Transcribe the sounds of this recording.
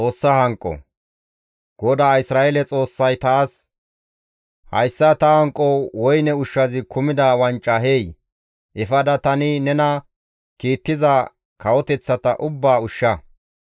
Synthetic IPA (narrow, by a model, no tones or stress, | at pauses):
t͡sʼo̞ːsːɐhɐŋkʼɔ̰ | ɡ̥ɔd̪aːɪsɾaːelɛt͡sʼo̞ːsːɐjt̪aːs | hɐ̰jsːɐt̪ɐhɐŋkʼːɔwɔjnɛʊʃːɐzɪkʰʊmɪd̪aːwɐnt͡ʃʼːɐɦej | ʔɛfɐd̪ɐt̪ɐnɪnɛnɐ | kiːt̪ːɪzɐ | kʰɐwɔt̪ɛt͡sːɐt̪ɐʔʊbːaːʊʃːɐ